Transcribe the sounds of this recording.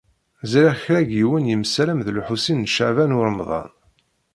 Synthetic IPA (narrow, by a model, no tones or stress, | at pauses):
zɾæçɾæɡiwənjəmsæɾæmðluħusinːʃaʕvænʊɾmðˤɑ̰n